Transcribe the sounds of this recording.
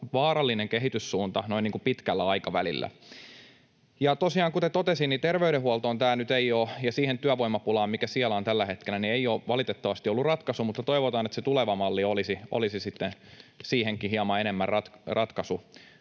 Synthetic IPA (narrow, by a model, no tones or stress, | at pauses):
ʋɑːɾɑlːineŋkeɦit̪yssuːnt̪ɑnoiniːŋkupit̪kælːæɑikɑʋæ̰lḭlːæ̰ | jɑt̪osiɑːŋkut̪et̪ot̪esinnit̪erʋeyɾehuolt̪oːnt̪æːnyt̪eiojɑsiːhent̪yæʋoimɑpulɑːmmikæsiælæont̪ælːæhet̪kelːˑænieijoːʋɑlit̪et̪ːɑʋɑst̪iolːurrɑt̪kɑsumut̪ːɑt̪oiʋot̪ɑːnet̪set̪uleʋɑmɑlːiolisiʔo̰lisisit̪ːensiːheŋkihiɑmɑenemːærrɑt̪krɑt̪kɑsu